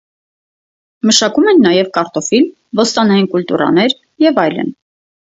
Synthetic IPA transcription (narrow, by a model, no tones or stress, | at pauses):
məʃɑkumɛnːɑjɛvkɑɾt̪ɔfil | vɔst̪ɑnɑjinkult̪uɾɑ̰nɛɾ | jɛvɑjlə̰n